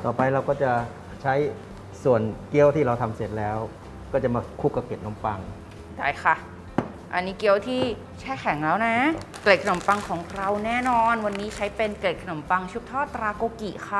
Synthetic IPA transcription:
t̪ɔː˨˩pa˧jɾa˧wkɔː˥˩t͡ɕa˨˩ | t͡ɕʰa˦˥j | su˨˩ənki˦˥ə˨wt̪ʰiː˥˩ɾa˧wt̪ʰa˧mse˨˩t̪̚lɛː˦˥w | kɔː˥˩t͡ɕa˨˩maː˧˩kʰu˥˩kːa˧˩keː˨˩t̪̚no˧˦˥mpa˧ŋ | daː˥˩jxʰa˥˩ | ʔa˧nːiː˦˥ki˦˥ə˨˩wt̪ʰiː˥˩ | t͡ɕʰɛː˥˩kʰɛ˨˩˦ŋlɛː˦˥wna˦˥kle˨˩t̚kʰa˧no˨˩˦mpa˧ŋkʰɔː˩˦ŋkʰɾa˧wnɛː˥˩nɔː˧nwa˧nːiː˦˥t͡ɕʰa˦˥jpe˧nkle˨˩t̪̚kʰa˧no˩˦mpa˧ŋt͡ɕʰu˦˥p̚t̪ʰɔː˥˩t̪ɾaː˧koː˧ki˨˩kʰa˧˥˩

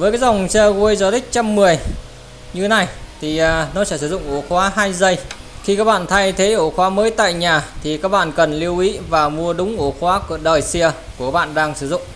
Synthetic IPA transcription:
vəː˨˦jkaː˨˦jza˨˩wŋ͡msi˧ɣu˧əjzɔ˧t̪ï˦˥k̟̚t͡ɕa˧mːɨ˨˩əj | ɲɨ˧e˨˦na˧˩jt̪ʰi˨˩˨nɔ˨˦t͡ɕɛ˧˩sɨ˧˩zʊ̰˧˨ŋ͡mʔo˧˩xwaː˨˦ɦaː˧jzə˧jxi˧kaː˦˥k̚ɓa̰ː˧˨nt̪ʰa˧jt̪ʰe˨˦ʔo˧˩xwaː˨˦məː˨˦jt̪a̰ː˧˨jɲaː˨˩t̪ʰi˨˩kaː˦˥k̚ɓa̰ː˧˨nkə˨˩nli˧əwʔḭ˧˥vaː˨˩mu˧əɗʊ˨˦ŋ͡mʔu˧˩xwaː˨˦kːɗəː˨˩jsi˧ə | ku˨˧˩kaː˦˥ɓa̰ː˧˨nɗaː˧ŋsɨ˧˩zʊ̰˧˨ŋ͡m

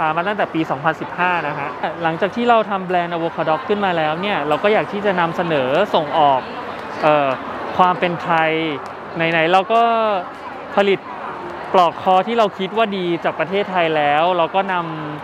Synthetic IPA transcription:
aː˦˥maː˧t̪a˥˩t̪ɛː˨˩piː˧sɔː˩˦ŋpʰa˧nsi˨˩p̚haː˥˩na˦˥kʰa˦˥ʔla˩˦ŋkt͡ɕaː˨˩k̚t̪ʰiː˥˩ɾa˧wt̪ʰa˧mblɛː˧nʔa˧woː˧kʰaː˧dɔ˦˥kʰːɯ˥˩nmaː˧lɛː˦˥wni˥˩ɐɾa˧wkɔː˥˩jaː˨˩k̚t̪ʰiː˥˩t͡ɕa˨˩na˧msa˧nɤː˩˦so˨˩ŋʔɔː˨˩k̚ | ʔɤː˨˩ | waː˧mpe˧nt̪ʰa˧j | na˧˩jna˩˦jɾa˧wkɔː˥˩ | pʰa˧li˨˩t̪̚ | plɔː˨˩kʰɔː˧t̪ʰiː˥˩ɾa˧wkʰi˦˥t̪̚waː˥˩diː˧t͡ɕaː˨˩k̚pɾa˧t̪ʰeː˥˩t̪ʰːa˧jlɛː˦˥wɾa˧wkɔː˥˩na˧m

